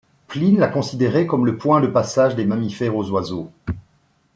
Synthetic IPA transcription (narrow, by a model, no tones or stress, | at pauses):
plinlakɔ̃sid̪eʁekɔmləpwɛ̃d̪əpasaʒd̪emamifɛʁozwazo